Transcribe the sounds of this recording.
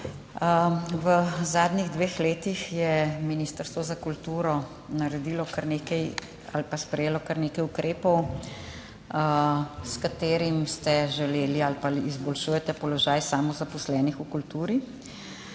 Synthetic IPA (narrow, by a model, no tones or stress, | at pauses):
ʋəzaːd̪niɣd̪ʋeːxleːt̪ixjɛminiːst̪əɾst̪ʋɔzakult̪uːɾɔ | naɾɛd̪iːlɔkaɾneːkɛj | a̰lpaspɾɛjeːlɔkaɾneːkɛjukɾʔeːpɔw | skat̪eːɾimst̪ɛʒɛleːlialpaliizbɔlʃuːjɛt̪ɛpɔlɔʒaːjsaːmɔzapɔslɛːnixukult̪uːɾi